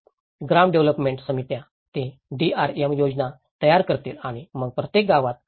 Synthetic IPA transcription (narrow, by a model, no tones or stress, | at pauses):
ɡɾamɖeʋləpmẽɳʈsəmit̪jã | t̪ẽɖiaɾɛmjod͡zna | t̪əjaɾkəɾt̪iːlaɽ̃iməɡ̚pɾət̪jek̚ɡaʋat̪̚